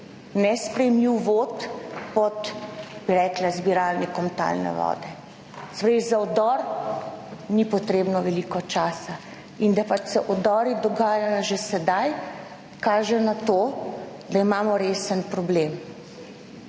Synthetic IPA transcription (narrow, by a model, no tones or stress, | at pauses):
nɛspɾɛjɛmiwʋot̪pɔt̪biɾɛklazbiɾaːlnɛkɔmt̪a̰lnɛ̰ʋɔ̰ːd̪ɛ | spɾezaɔd̪ɔɾ | nipɔt̪ɾeːbnɔʋɛlikɔt͡ʃaːsa | ind̪apat͡ʃsɛʔɔd̪ɔːɾid̪ɔɡaːjajɔʒesɛd̪aj | kaːʒɛnat̪oː | d̪aimaːmɔɾeːsənpɾɔbleːm